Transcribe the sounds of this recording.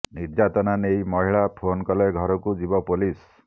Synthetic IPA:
niɾd͡ʒat̪ɔnanejmɔɦiɭapʰonkɔleɡʱɔɾɔkud͡ʒibɔpulis

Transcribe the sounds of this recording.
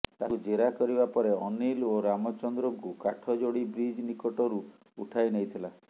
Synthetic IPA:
t̪akud͡ʒeɾakɔɾibapɔɾeɔniloɾamɔt͡ʃɔnd̪ɾɔŋkukaʈʰɔd͡ʒoɽibɾid͡ʒnikɔʈɔɾu | uʈʰajnejt̪ʰila

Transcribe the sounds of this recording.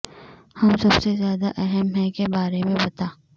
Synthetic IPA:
hɐmsɐbsezjaːd̪aʔɛɦɛmɦɛkebaːɾemẽbɐt̪aː

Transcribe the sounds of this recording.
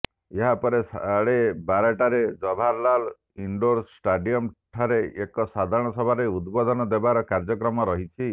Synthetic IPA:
eɦapɔɾesaɽebaɾaʈaɾed͡ʒɔbʱaɾlal | iɳɖoɾsʈaɖijɔmʈʰaɾeʔekɔsad̪ʱaɾɔɽ̃ɔsɔbʱaɾeud̪bɔd̪ʱɔnɔd̪ebaɾɔkaɾd͡ʒɔkɾɔmɔɾɔɦit͡ʃʰi

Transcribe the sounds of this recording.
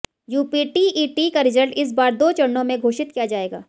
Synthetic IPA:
juːpiːʈiʔiːʈikaɾɪzəlʈɪs̬baːɾd̪oːt͡ʃɐɽnõmẽɡʱoːʃɪt̪̚kijad͡ʒaːeːɡa̰ː

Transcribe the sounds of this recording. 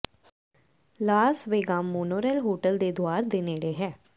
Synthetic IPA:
laːsʋeːɡaːmːoːnoːɾɛːlɦoːʈəld̪ed̪oaːɾd̪eːneːɽeɦɛ̃ː

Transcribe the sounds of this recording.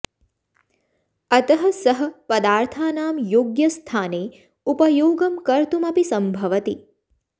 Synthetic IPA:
ɐt̪əɦɐsəɦɐ̆pɐd̪aːɾt̪ʰaːnaːmjoːɡjɐst̪ʰaːneː | upɐjoːɡɐmkɐɾt̪umɐpisɐmbʱɐʋɐt̪i

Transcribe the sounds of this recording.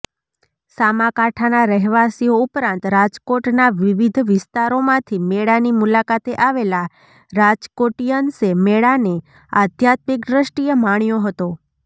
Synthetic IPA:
samãkaʈʰanaɾəɦʋasijoupɾãnt̪ɾad͡ʒkoʈnaʋiʋid̪ʱʋɪst̪aɾomãt̪ʰimeɽanimulakat̪eʔaʋela | ɾad͡ʒkoʈijənsemeɭane | ad̪ʱjat̪̚mikd̪ɾəʃʈijəmaɳ̃joɦət̪o

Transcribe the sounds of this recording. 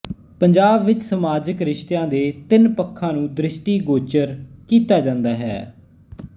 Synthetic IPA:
pəɲd͡ʒaːbʋɪt͡ʃsəmaːd͡ʒəkɾɪʃt̪ejãːd̪eːt̪ɪnpəkʰːãːnũːd̪ɾɪsʈiːɡoːt͡ʃəɾkiːt̪aːd͡ʒãːnd̪aːɦɛ̰ː

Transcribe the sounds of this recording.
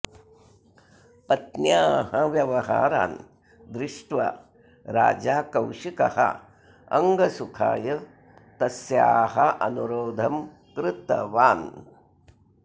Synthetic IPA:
pɐt̪njaːhɐʋjɐʋɐɦa̰ːɾa̰ːn | d̪ɾɪʂʈʋɐ̰ | ɾa̰ːd͡ʒaːkɐwʂikɐ̰hɐ̰ | ɐ̰ŋɡɐsukʰa̰ːjɐ | t̪ɐsjaːɦɐʔɐnuɾoːd̪ʱɐm | kɾɪt̪ɐ̰ʋaːn

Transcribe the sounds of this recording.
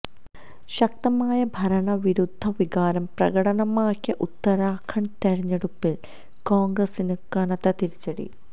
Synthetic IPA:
ɕɐk̚t̪ɐmaːjɐbʱɐɾɐɳɐʋiɾud̪ʱːɐʋiɡaːɾɐmprɐ̰ɡɐɽɐɳɐmaːkʲːjɐʔut̪ːɐɾaːkʰɐɳt̪eɻiɲːeɽupːil | koːŋɡrɐsinɨkɐnɐt̪ːɐt̪iɾit͡ɕːɐɽḭ

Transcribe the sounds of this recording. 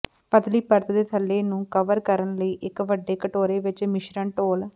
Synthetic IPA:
pət̪liːpəɾt̪d̪eːt̪ʰəlːeːnũːkəʋəɾkəɾənləiːʔɪkʋəɖːeːkəʈoːɾeːʋɪt͡ʃmɪʃɾəɳʈoːl

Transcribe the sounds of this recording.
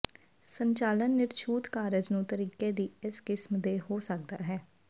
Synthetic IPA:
səɲt͡ʃaːlənːɪɾt͡ʃʰuːt̪kaːɾəd͡ʒnũːt̪əɾiːkeːd̪iːɪskɪsmd̪eːɦoːsək̚d̪a̰ːɦɛː

